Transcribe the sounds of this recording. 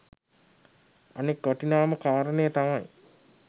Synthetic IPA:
anekːaʈinaːməkaːɾənejət̪amaj

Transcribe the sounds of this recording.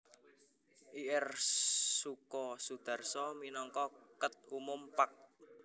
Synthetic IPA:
ʔiʔɛrsukɔsud̪̥a̤rsɔminɔŋkɔkət̪̚umʊmpak̚

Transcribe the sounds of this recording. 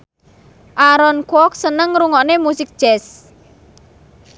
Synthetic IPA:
ʔaɾɔnkwɔk̚sənəŋɾuŋɔnemusɪk̚d̥ʒ̥ɛs

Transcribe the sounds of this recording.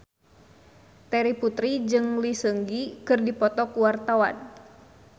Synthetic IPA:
t̪ɛɾiput̪ɾid͡ʒɨŋlisəŋɡikɨrdipɔt̪ɔkuwart̪awa̰n

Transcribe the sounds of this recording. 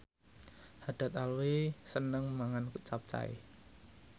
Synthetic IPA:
had̪̥ä̤t̪alwisənəŋmaŋankut͡ʃap̚t͡ʃa̰ḭ

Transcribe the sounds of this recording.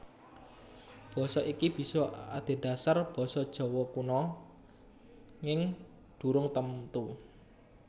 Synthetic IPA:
b̥ɔ̤sɔʔikib̥i̤sɔad̪̥e̤d̥a̤sarb̥ɔ̤sɔd̥ʒ̥ɔ̤wɔkunɔ | ŋɪŋ | ɖ̪̥ṳɾʊŋt̪əmt̪u

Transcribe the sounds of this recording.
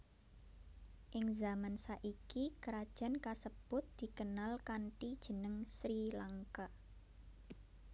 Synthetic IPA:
ʔɪŋzamansaʔikikəɾad̥ʒ̥a̤nkasəb̥ʊt̪̚d̪̥i̤kənalkanʈid̥ʒ̥ə̤nəŋsɾilaŋka

